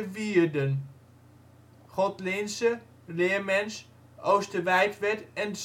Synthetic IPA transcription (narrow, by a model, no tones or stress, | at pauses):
ʋiːɹdən | χɔtlɪnsə | lɪːɹmɛns | ʔowstəʋɛjtʋɛtɛns